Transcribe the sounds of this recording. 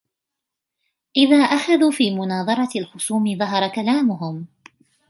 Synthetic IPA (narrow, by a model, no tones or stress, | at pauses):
ʔɪðaːʔaxaðuːfiːmʊnɑːðˤɑɾˤɑalħʊsˤuːmɪðˤɑɦɑɾˤɑkalaːmʊɦʊm